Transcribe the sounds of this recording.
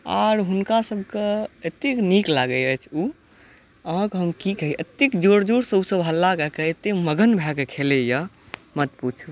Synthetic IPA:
a̰ɾɦunkasəbʱkeet̪ekniklaɡəət͡ʃʰu | əɦãkɦəmkikəɦiʔət̪ikd͡ʒoɽd͡ʒoɽsəbsəbʱɦəlːakəkeet̪eməɡənbʱɛkekʰeleja | mət̪put͡ʃʰu

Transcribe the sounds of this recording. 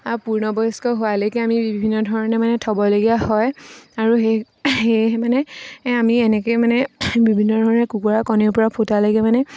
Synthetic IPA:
apuɹnɔbɔskɔɦʊwalɔkɛamibibbʱinːɔdʱɔɹɔnɛmanɛtʰɔbɔloɡiahɔjaɹuɦe | heɦmanɛamiɛnɛkojmanɛbibʱinːɔdʱɔɹɔnɛkukuɹakɔniɹpɔɹapʰotaloɡɛmanɛ

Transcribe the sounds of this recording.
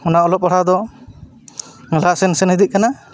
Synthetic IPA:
unaɔlɔp̚aɽad̪ɔ | ŋɛlaʔsɛnsɛnid̪it̪̚kana

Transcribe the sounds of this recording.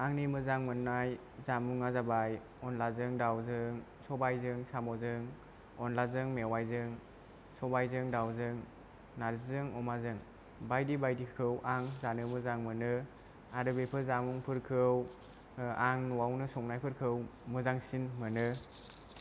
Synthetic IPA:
aŋnimɯzaŋmɯnːaj | zamuŋazabaj | ɔnlazɯŋdawzɯŋsɔbajzɯŋsamɔzɯŋ | ɔnlazɯŋmewajzɯŋ | sɔbajzɯŋdawzɯŋ | naɾzzɯŋɔmazɯŋ | bajdibajdikʰɯwʔaŋzanɯmɯzaŋmɯnɯ | aɾɯbepʰɯzamuŋpʰɯɾkʰɯw | aŋnɔwawnɯsɔŋnajpʰɯɾkʰɯwmɯzaŋsinmɯnɯ

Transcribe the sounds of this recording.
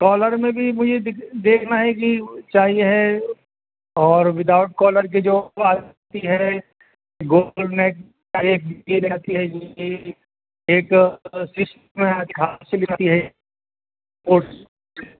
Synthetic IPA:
kɔːləɾmẽbʱimʊd͡ʒʱed̪eːkʰnaɦɛk̬it͡ʃaːɦieɦɛ | ɔːɾʋɪd̪aːʊʈ̚kɔːləɾk̬id͡ʒoːaːd͡ʒ | t̪iɦɛ | ɡoːlɖnɛːk̚ | aɾeːk̚bkilaat̪iɦɛki | eːksɪsʈ | mẽt̪kʰaselɪkʰt̪iɦɛ | poːʈ

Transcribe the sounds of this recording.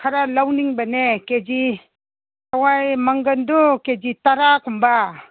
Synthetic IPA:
kʰaɾalawniŋbaneked͡ʒi | awajmaŋɡənduked͡ʒitaɾakʰumba

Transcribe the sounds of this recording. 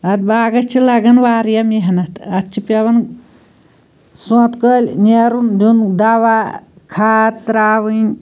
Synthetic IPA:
ɐd̪̚baːɡɐt͡ʃʰilɐɡɐnʋaːɾjɐmjeɦnɐt̪ɐt̪t͡ʃʰipɐʋɐn | sɔ̃t̪kəːlʲneɾund͡ʒund̪aʋa | kʰaːt̪ɾaːʋɨnʲ

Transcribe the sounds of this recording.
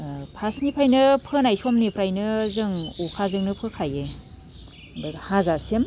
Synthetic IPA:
pʰasnipʰajnɯpʰɯnajsomnipʰɾajnɯzɯŋukʰazɯŋnɯpʰɯkʰaje | bɯhazasem

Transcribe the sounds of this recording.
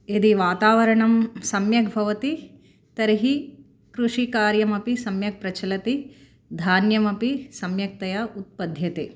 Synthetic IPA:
ed̪iʋaːt̪aːʋɐɾɐɳɐmsɐmjɐɡbʱɐʋɐt̪i | t̪ɐɾɐɦi | kɾuʂikaːɾjɐmɐpisɐmjɐk̚pɾɐt͡ʃʰɐlɐt̪i | d̪ʱaːnjɐmɐpisɐmjɐk̚t̪ɐjɐut̪̚pɐd̪ʱjɐt̪eː

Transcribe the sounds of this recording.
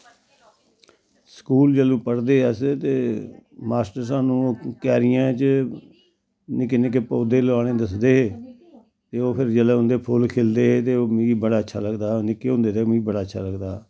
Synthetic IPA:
səkuːld͡ʒəlũːpəɽd̪eːɛst̪eːmaːsʈəɾsaːnũːkɛːɾɪjãːt͡ʃə | nɪkɪneːkepoːd̪eːlaːɽeːd̪əsd̪eːɦeː | t̪eːoːpʰɪɾd͡ʒəleːɦʊ̃nd̪eːpʰʊlkʰeːld̪eːɦeːt̪eːoːmiibəɽaːətːʃʰa̰ːləɡd̪aːnɪkeːɦõːnd̪eːt̪eːmĩbəɽaːət͡ʃːʃʰa̰ːləɡd̪aː

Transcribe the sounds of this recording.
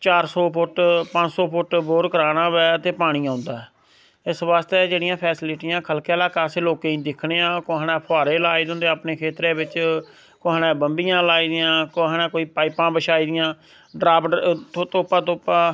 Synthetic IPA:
t͡ʃaːɾsoːpʊʈpə̃d͡ʒsɔːpʰʊʈboːɾkəɾaːɽ̃ãːβɛːt̪eːpaːɽ̃iːãːʊ̃nd̪aːɛː | ɪsʋaːst̪eːd͡ʒeːɽɪjãːpʰɛːsɪlɪʈiːjãːkʰəlkɛːlaːkaːseːloːkẽːĩːd̪ɪkʰɽeːãːkoanɛ̃ːpʰoaːɾeːlaːiːd̪õːnd̪eaːpneːkʰeːt̪ɾeːbɪt͡ʃ | koɦanɛ̃ːbəmbijãːlaːiːd̪ɪjãːkoɦanɛ̃ːkoːiːpaːɪpãːbəʃaːiːd̪ɪjãː | ɖɾaːbt̪ːt̪oːpãːt̪oːpaː

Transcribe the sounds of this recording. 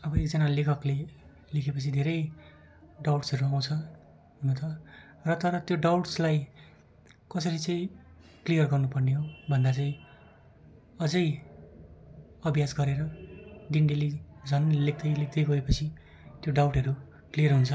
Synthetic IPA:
ʌbʌekd͡zʌnalekʰʌkle | lekʰepʌt͡sʰid̪ʱeɾʌj | ɖawʈsʌɾuaw̃t͡sʰʌ | not̪ʌ | rʌt̪ʌɾʌt̪joɖawʈslaj | kʌsʌɾit͡sʌĩ | klijʌrɡʌrnupʌrneɦobʱʌnd̪at͡saĩ | ʌd͡zʌj | ʌbʱjasɡʌɾeɾʌd̪inɖelid͡zʱʌnlek̚ʰd̪ʌjlek̚ʰd̪ʌjɡʌepʌt͡sʰi | t̪joɖawʈɦʌɾu | klijʌrɦunt͡sʰʌ

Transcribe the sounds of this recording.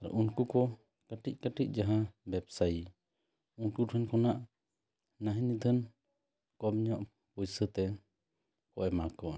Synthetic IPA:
aɾɛ̰ʔunkukɔ | kaʈic̚ˀkaʈic̚ˀd͡ʒaɦabɛpsaj | unkuʈʰənkɔnaʔ | naɦinid̪ʱʰən | kɔbɲɔʔ | pujsət̪ɛ | kɔʔɛmakɔ

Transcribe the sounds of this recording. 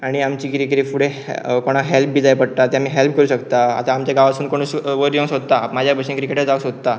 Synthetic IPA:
aɽ̃iamt͡ɕiːkiɾikəɾifuɽe | koɽ̃aɦelp̚bʱiːd͡zajpəɽt̪at̪jamiːɦelp̚kəɾuːɕəkt̪aa̰t̪aːmt͡ɕjaɡaʋasuːnkoɽ̃əsʋəɾjõŋsod̪̚t̪amad͡ʑʱjabʱəɕə̃ŋkɾikeʈed͡zausod̪t̪a

